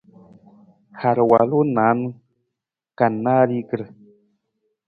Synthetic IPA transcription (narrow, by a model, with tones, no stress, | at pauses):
ha˨ɾwa˨lu˦na˨˦n˦ | ka˨nːa˦ɾi˦kə˨ɾ